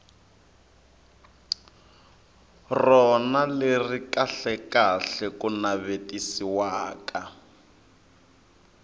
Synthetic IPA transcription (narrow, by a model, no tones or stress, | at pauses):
rɔnalerikaɬɛkaɬɛkunaβetisiwaːka